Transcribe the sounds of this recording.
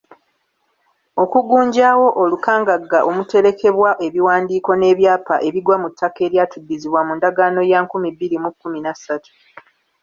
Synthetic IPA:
o̞kuɡuːɲɟaːwo̞ʔolukaːŋɡaɡːaʔomute̞ɾe̞ke̞βwaʔe̞βiwaːndiːko̞ne̞ːβjaːpaʔe̞βiɡwamutːake̞ːɾjaːtudːiziβwamuːndaɡaːno̞jaŋkumibiɾimukːuminasatu̥

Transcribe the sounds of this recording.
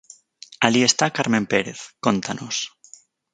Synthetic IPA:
alie̞st̪akaɾmempeɾeθkont̪anos

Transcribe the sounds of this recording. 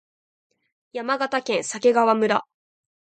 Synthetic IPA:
jamaɡat̪akẽ̞ɰ̃sake̞ɡaβamɯ̟ɾa

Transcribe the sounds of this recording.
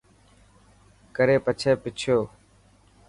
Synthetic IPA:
kəɾeːpət͡ʃʰeːpɪt͡ʃʰjoː

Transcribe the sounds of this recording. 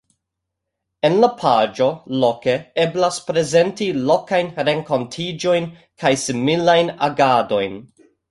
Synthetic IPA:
e̞nlapʰad͡ʒo̞lo̞ke̞eblaspɾe̞ze̞ntilo̞kajnɾe̞ŋko̞ntʰid͡ʒo̞jn | kʰajsimilajnaɡado̞jn

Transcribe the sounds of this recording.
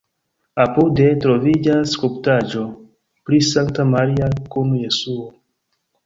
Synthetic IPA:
apudetɾovid͡ʒaskuptad͡ʒo̞ | pɾisaŋktamaɾiakunuje̞suo

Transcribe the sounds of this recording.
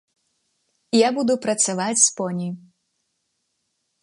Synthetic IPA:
jabud̪upɾɐt̪savat͡sʲspɔnʲij

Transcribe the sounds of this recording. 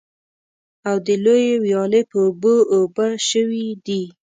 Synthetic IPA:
awd̪əlojewjɑlepəoboːbaʃəwid̪i

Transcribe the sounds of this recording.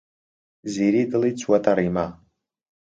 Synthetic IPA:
ziɾidɨlit͡ʃʷʰwatʰʼaɾima

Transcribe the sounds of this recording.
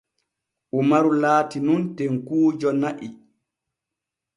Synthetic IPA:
ʔumaɾulaːtinuntɛŋkuːd͡ʒɔnaʔi

